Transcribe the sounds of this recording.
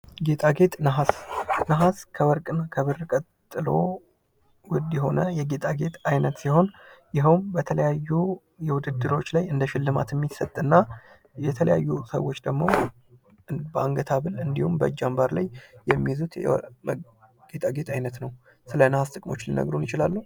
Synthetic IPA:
ɡe̞t̪ʼaɡe̞t̪ʼnəɦasnəɦaskʰəwɔɾkʼkʰəβɨɾːkʼət̪ʼːɨlo̞̰ | wʊd̪jɛɦo̞nəjɛɡe̞t̪ʼaɡe̞t̪ʰʼajnət̪siho̞njɪɦəwmbət̪ʰələjajːu | jɛwʊd̪ɨd̪ːɨɾo̞t͡ʃːlajɨnd̪əʃɪlːɨma̰t̪jɛmːisət̪ʼːɨnːa | jɛt̪ʰələja̰jːusə̰wːo̞t͡ʃːd̪əɡmo̞ | bəaŋɡət̪ʰaβɨlɨnd̪ihumbə̰d͡ʒːambaɾla̰jːɛmːijzut̪ɛ̰m | ɡ̥et̪ʼaɡe̞t̪ʰʼajnət̪nəw | sɨlənəhast̪ʼɨkʼmo̞t͡ʃːlinə̰ɡɾunjɪt͡ʃɪlalːu

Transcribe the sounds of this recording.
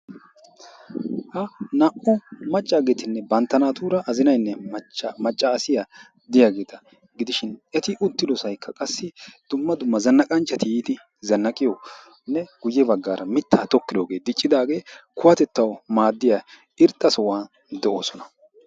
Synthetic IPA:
hɐnɐʔɔmɐt͡ʃʼːaːɡe̞ːt̪ɪnːɛbɐnt̪ːɐnaːt̪uːɾɐʔɐzɪnɐjnːɛt͡ʃːmɐt͡ʃʼːɐːsɪja | d̪ɪjaːɡe̞ːt̪ɐ | ɡɪd̪ɪʃɪnɛt̪ɪʔʊt̪ːɪd̪ɔsɐjkʰːɐkʼɐsːɪd̪̥ʊmːɐd̪ʊmːɐzɐnːɐkʼɐnt͡ʃʼːɐt̪ɪjiːd̪ɪ | zɐnːɐkʼɪjɔ | nːɛɡ̥ʊjːɛbɐɡːaːɾʔɐmɪt̪ʰːaːt̪ɔkːɪd̪oːɡe̞ːd̪ɪt͡ʃʼːɪd̪aːɡe̞ːkʊwɐt̪ɛt̪ːɐwmaːd̪ːɪjaː | ɪɾt̪ʼːɐsɔwaːn | d̪ɛʔo̞̰ːsɔnɐ̥

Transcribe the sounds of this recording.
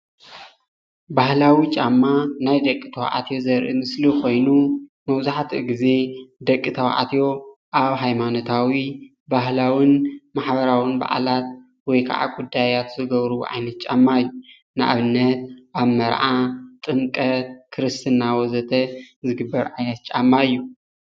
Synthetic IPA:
bahlawit͡ʃʼamːanajd̪ɐkʼːit̪ʰɐw̰ʔa̰t̪ʰjo̞zɐɾʔḭmɨslikʰo̞jnumɐβzaħt̪ʰɨɡize̞d̪ɐkʼːit̪ʰɐw̰ʔa̰t̪ʰjo̞ | ʔaβɦajmanot̪ʰawi | baɦlawɪnmaħbɐɾawɨnba̰ʔa̰lat̪ | wɔjkʰa̰ʕa̰ɡud̪ajat̪zɨɡɐβɾṵʔa̰jnɐt̪̚t͡ʃʼamːaɨjːu | nɨʔa̰βɨnːɐt̪̚ʔaβmɐɾʕat̪ʼɨmkʼɐtkʰɨɾɨst̪ʰɨnːawɔzɐt̪ʰɐzɨɡɨbːɐɾʕajnɐt̪̚t͡ʃʼamːaɨjːu

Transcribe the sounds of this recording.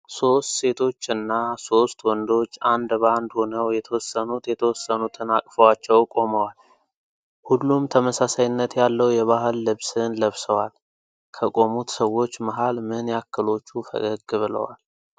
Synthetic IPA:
so̞st̪se̞t̪ʰo̞t͡ʃːɨnːaso̞st̪wɔnd̪o̞t͡ʃːand̪band̪ho̞nəwjɛt̪ʰəwɔsːənut̪jɛt̪ʰəwɔsːənut̪ʰɨnakʼfəwat͡ʃːɛwkʼo̞məwal | hulːumt̪ʰəməsasajɪnːət̪jalːəwjɛβaɦɨlːɨβsɨnləβsəwal | kʰəkʼo̞mut̪səwːo̞t͡ʃːməɦalmɨnjakːɨlo̞t͡ʃːufə̰ɡəɡβɨlə̰wa̰l

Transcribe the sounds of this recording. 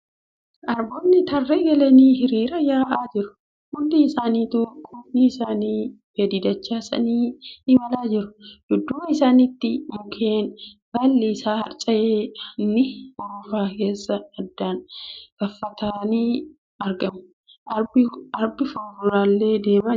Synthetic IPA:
ʔɐɾboːnːɪt̪ɐrːeːɡɐlɐniːɦɪɾiːɾɐjaːʔaːd͡ʒɪɾʊ̥ | hʊd̪ːiɪsaːniːt̪uːɾkʼʊfniɪsaːniː | fed̪ɪd̪ɐt͡ʃːaːsɐ̰niːɪmɐlaːd͡ʒɪɾʊ̥d̪̥ʊd̪ːʊmɐɪsaːnɪt̪ːɪmʊkʰeːnbɐlːɪːsaːhɐ̰ɾt͡ʃʼɐjeːnːɪɔɾʊfaːke̞ːsːɐɐd̪ːaːnɡɐfːɐt̪ʰaːniː | ɐɾɡɐmʊ̥ | ɐɾbɪfɐːɾʊɾaːlːe̞ːd̪e̞ːma

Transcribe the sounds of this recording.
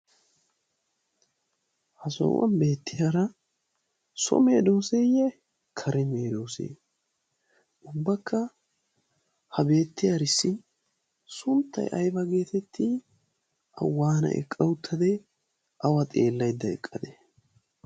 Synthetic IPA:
hɐsɔ̰ːwʔɐ̰nbe̞ːt̪ːɪjaɾɐ | sɔ̰me̞ːd̪oːsejɛ | kʰɐɾʔɛme̞ːd̪o̞ːsḛː | ʔʊbːɐkːɐ | hɐbe̞ːt̪ːɪjaɾɪsːɪn | sʊnt̪ːɐ̰jʔɐjbɐɡe̞ːt̪ɛt̪ʰːi | ʔɐ̰wːaːnɐ̰ʔɛ̰kʼːɐwʊt̪ʰːɐd̪ɛ | ʔɐwɐt̪ʼe̞ːlːɐjd̪ːɐɛ̰kʼːɐd̪ɛ

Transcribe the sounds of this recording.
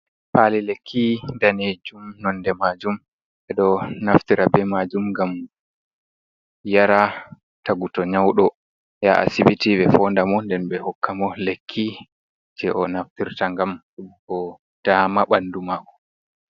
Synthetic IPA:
palilekʰːindaned͡ʒumnɔnːdɛmad͡ʒum | ɓɛɗɔnaftiɾabɛmad͡ʒumɡam | jaɾa | taɡutɔɲawɗɔ | jaʔa̰siɓitiɓɛfɔndamɔndɛnbɛhɔkʰːamɔlekʰːi | d͡ʒɛʔɔnaftiɾtaŋɡamɗuɓkɔ | d̥amaɓandumakɔ

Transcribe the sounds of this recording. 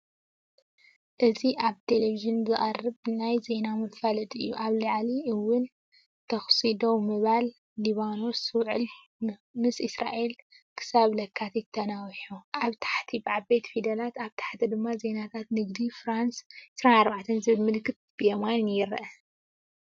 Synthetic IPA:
ʔɨziʔaβt̪ʰe̞leviʒɨnzɨʔʼarɨβnajze̞namɨfɐlɐt̪ʼɨ̰jːuʔaβlɨʕliʔɨwːʊn | t̪ʰɐxsid̪owmɨβalː | iβano̞swʕɨ̰l | mɨsisɾa̰ʔe̞l | kʰɨ̥saβlɐkʰːat̪jɪt̪ʰːɐnawħuʔaβt̪ʰḁħt̪ʰibɨʕabe̞t̪fid̪ɐlat̪aβt̪ʰḁħt̪ʰid̪ɨmːaze̞nat̪ʰat̪nɨɡd̪ifɾansʔʕɪsɾanaɾbaʕt̪ʰɐnzɨβɨlmɨlkːɨt̪̚b̥ijɐmannjɪɾɐ̰ʔɐ

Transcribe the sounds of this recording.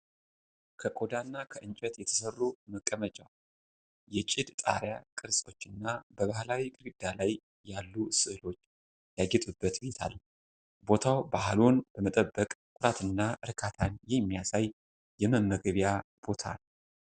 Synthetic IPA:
kʰəkʼo̞d̪anːakʰəʔɨɲt͡ʃʼɛt̪jɛt̪ʰə̥sərːuməkʼːəmət͡ʃʼa | jɛt͡ʃʼɪd̪t̪ʼa̰ɾjakʼɨɾsʼo̞t͡ʃːɨnːabəβahlawikʼɨɾɡɨd̪ːalajː | alːusɨhɨlo̞t͡ʃː | jaɡɛt̪ʼubːət̪bet̪ʰa̰l | bo̞t̪ʰawbahlonb̥əmət̪ʼəbːəkʼkʼʊɾat̪ʰɨnːaɨɾɨkʰat̪ʰanjɛmːijasaj | jɛməmːəɡəβjab̥o̞t̪ʰa̰n

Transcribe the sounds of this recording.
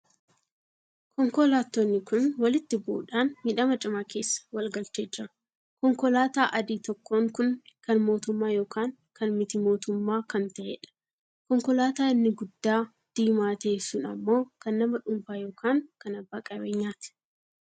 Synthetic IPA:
kʰɔŋkɔlaːt̪ːoːnːɪkʊnwɐlɪt̪ːɪbuːᶑaːnmɪᶑɐmɐt͡ʃʼɪmaːke̞ːsːɐ̥wɐlɡɐlt͡ʃeːd͡ʒːɪɾɐ | kɔŋkɔlaːt̪aːʔɐd̪iːt̪ɔkːo̞ːŋkʊnkɐnmo̞ːt̪ʊmːaːjo̞ːkaːŋ | kɐnmɪt̪ɪmo̞ːt̪ʊmːaːkɐnt̪ɐʔḛᶑɐ̥ | kɔŋkɔlaːt̪aːɪnːɪɡʊd̪ːaː | d̪̥iːmaːt̪eːsʊnɐmːo̞ːkɐnːɐmɐᶑʊmfaːjo̞ːkʰaːŋkɐnɐbːaːkʼɐbeːɲːaːt̪ɪ̥

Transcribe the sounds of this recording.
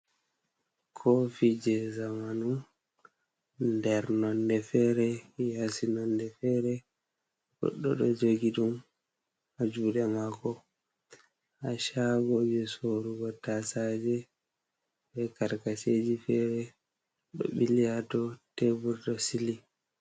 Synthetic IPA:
kʰofid͡ʒɛzamanum | ndɛɾnɔndɛfɛɾɛjasinɔndɛfɛːɾɛ | ɡɔ̰ɗːɔɗɔd͡ʒoɡiɗum | ad͡ʒuːɗɛmakɔ | haʃabod͡ʒɛsoɾuɡɔtasad͡ʒɛ | bɛkaɾkaseːd͡ʒifɛːɾɛ | ɗɔ̰ɓilijatɔtebuɾtɔsili

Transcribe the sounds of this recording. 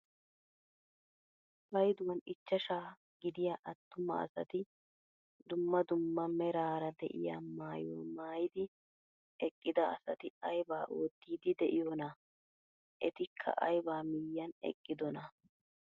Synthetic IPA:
bɐjd̪ʊwɐnɪt͡ʃːɐʃaː | ɡɪd̪ɪjaːʔɐt̪ːʊmɐ̰ːsɐ̰t̪ɪ | d̪ʊmːɐd̪ʊmːɐmɛɾaːɾɐd̪ɛ̰ʔɪ̰ja̰ːmaːjo̰ːmaːjɪd̪ɪ | ʔɛkʼːɪd̪ɐɐsɐt̪ɪɐjbaːʔoːt̪ːiːd̪ɪd̪ɛʔɪjɔnɐ | ʔɛt̪ɪkʰːɐ̰ʔɐjbaːmɪjːɐnɛ̰kʼːɪd̪ɔnɐ

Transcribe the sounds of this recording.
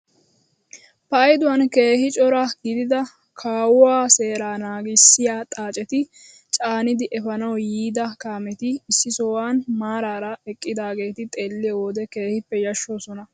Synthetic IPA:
pɐːjd̪ʊwɐnke̞ːhɪt͡ʃʼɔɾɐɡɪd̪ɪd̪ɐ | kʰaːwwaːse̞ːɾaːnaːɡɪsːɪjaːt̪ʼaːt͡ʃʼɛt̪ɪ | t͡ʃʼaːnɪd̪ɪʔɛfɐnɐwjiːd̪ɐkaːmɛt̪ɪɪsːɪsɔːwaːnmaːɾaːɾɐɛkʼːɪd̪aːɡe̞ːt̪ɪt̪ʼe̞ːlːɪwoːd̪ɛke̞ːhɪpːɛjɐʃːoːsɔnɐ

